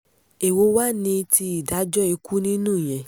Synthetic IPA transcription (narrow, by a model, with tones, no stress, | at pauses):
e˨wo˨˧wa˦nĩ˧ti˧i˦˨da˨˦d͡ʒɔ˦e˨˧ku˦nĩ˦nũ˦˨j̃ɛ̃˨